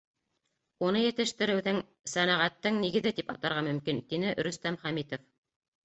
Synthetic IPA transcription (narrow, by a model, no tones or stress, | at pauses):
unɤjɘ̆t̪ɘ̆ʃt̪ɘ̆ɾɘ̆wðɘŋ | sænæʁæt̪ːɘŋniɡɘ̆ðɘt̪ipɑt̪ɑɾʁɑmɵ̆mkint̪inɘʔɾɵ̆st̪æmχæmit̪of